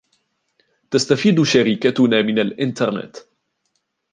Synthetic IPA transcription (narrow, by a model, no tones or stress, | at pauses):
t̪ast̪afiːd̪ʃaɾiːkat̪ʊnaːmɪnalʔɪnt̪ɑɾˤnɛ̰t̪